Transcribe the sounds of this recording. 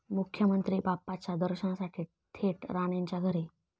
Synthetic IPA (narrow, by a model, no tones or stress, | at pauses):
mukʰjəmənt̪ɾiːbapːat͡ɕad̪əɾɕəɳasaʈʰiː | t̪ʰeʈɾaɳjaɲt͡ɕaɡʱəɾi